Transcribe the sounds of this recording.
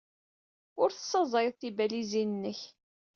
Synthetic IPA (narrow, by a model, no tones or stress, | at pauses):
ʊɾθə̥sˤːəzˤɪðˤθibælizinənːəç